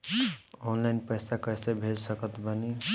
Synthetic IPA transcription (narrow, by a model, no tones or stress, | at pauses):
onlaɪnpəjsakəjsebʱed͡ʒsəkət̪bəni